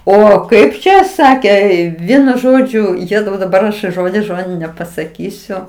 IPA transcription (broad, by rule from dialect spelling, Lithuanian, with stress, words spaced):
ˈoː ˈkɐɪp t͡ʃʲɛ ˈsɑːkʲeː ˈʋʲiɛnʊ ˈʒoːd͡ʒʲʊ ˈjeːzɐʊ dɐˈbɐr ɐʃ ˈʒoːdʲɪs ˈʒoːdʲɪn nʲɛpɐsɐˈkʲiːsʲʊ